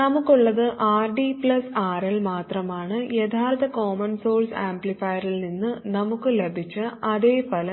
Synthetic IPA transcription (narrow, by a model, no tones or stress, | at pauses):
nɐmukːuɭːɐðɨʔaːrɖipɭɐsaːɾɐlmaːt̪rɐmaːɳɨjet̪ʰaːrt̪ɐkoːmɐnso̞ːlsaːmblifɐjɐɾilninːɨnɐmukːɨlebʱit͡ɕːɨɐðeːfɐlɐ